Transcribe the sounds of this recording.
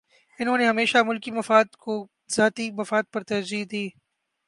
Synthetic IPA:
ɪnɦõːneɦɐmeːʃamʊlkimɐfaːd̪ko | zaːt̪imɐfaːd̪̚pɐɾt̪ɐɾziːd̪iː

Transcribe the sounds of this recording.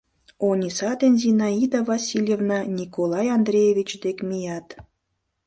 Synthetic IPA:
onʲisɑd̪enʲzinɑid̪avɑsʲilʲjevnɑnʲikolˠɑjɑnd̪rʲejevʲit͡ɕd̪ekmʲijɑt̪

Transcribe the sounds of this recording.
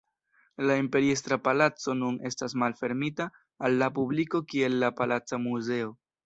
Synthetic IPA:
laimpe̞ɾiestɾapalat͡so̞nune̞stasmalfe̞ɾmitaː | lːapubliko̞kie̞lːapalat͡samuze̞o̞

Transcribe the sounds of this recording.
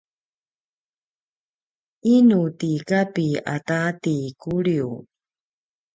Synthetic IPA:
inutikapia̰tatikuɾiu

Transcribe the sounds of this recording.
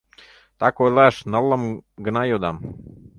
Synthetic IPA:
t̪akojlɛʃnalamɡnajod̪am

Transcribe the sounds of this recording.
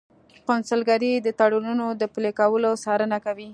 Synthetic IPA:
kʊnsəlɡaɾid̪ət̪aɽununod̪əplekawəlosɑɾənakawi

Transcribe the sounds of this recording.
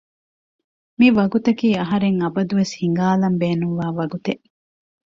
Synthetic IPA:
miʋɐɡut̪ɐkiːɐɦɐɾeŋɐbɐd̪uʋeshiŋ̆ɡaːlɐmbeːnuŋʋaːʋɐɡut̪eʔ

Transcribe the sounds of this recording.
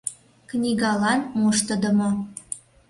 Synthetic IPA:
knʲiɣɑlɑnmuʃt̪ə̆d̪ə̆mo

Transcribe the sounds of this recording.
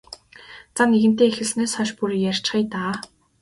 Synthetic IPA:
t͡sanːeɣɘ̆n̥t̪eːexɘ̆ɮsneːsχɔʃpurjær̥ʲt͡ɕχiːt̪aː

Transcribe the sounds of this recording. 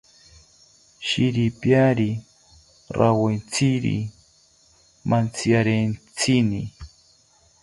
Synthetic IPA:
ʃiɾipjaɾi | ɾawent͡sʰiɾḭ | mʔant͡sjaɾent͡sʰini

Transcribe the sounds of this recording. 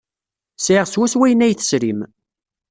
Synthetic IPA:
sʕiʁswæswæjənæjθə̥sɾim

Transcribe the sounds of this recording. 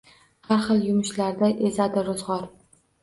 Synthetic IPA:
haɾχɨlˠjʊmʊʃlaɾd̪aʔezad̪ɪɾʊzʁɒɾ

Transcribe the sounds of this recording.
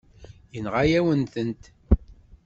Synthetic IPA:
jənʁajæwənθənt̪

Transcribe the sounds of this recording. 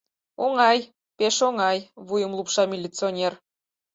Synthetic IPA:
oŋɑj | peʃoŋɑjβujə̆mlˠupʃɑmʲilʲːit͡sonʲer

